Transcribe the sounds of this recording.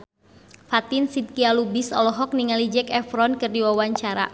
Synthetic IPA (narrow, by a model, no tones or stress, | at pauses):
fat̪insit̪̚kialubisɔ̰lɔɦɔk̚niŋalid͡ʒɛkɛfɾɔnkɨrdiwawaɲt͡ʃaɾa̰